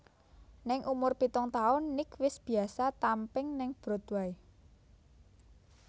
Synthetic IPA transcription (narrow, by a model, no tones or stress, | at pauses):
nɪŋʔumʊrpit̪ɔŋt̪aʊnːɪkwɪsb̥i̤asat̪ampɪŋnɪŋb̥ɾɔ̤t̪wai